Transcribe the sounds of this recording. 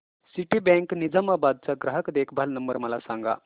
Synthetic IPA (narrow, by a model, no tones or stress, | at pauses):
siʈibɛ̃ŋknid͡zəmabad̪̚t͡saɡɾaɦəkd̪ekʰbʱalnəmbəɾməlasãŋɡa̰